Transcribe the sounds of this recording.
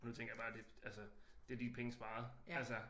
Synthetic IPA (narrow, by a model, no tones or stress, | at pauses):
nut͡sʰeŋɡɐjab̥ɑ̈ːd̥e̝ælsəd̥eæɐd̥inpʰeŋəsb̥ɑ̈ːð̩ˠælsə